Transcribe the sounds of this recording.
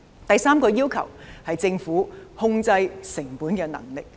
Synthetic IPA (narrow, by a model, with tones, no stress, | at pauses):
t̪ɐ˨jsaː˥mkɔː˧jiː˥wkʰɐ̰˨˩whɐ˨jt͡sɪ˧ŋfuː˨˥hʊ˧ŋt͡sɐ˧jsɪ˨˩ŋpuː˨˥nkɛː˧nɐ̰˨˩ŋlɪ˨k̚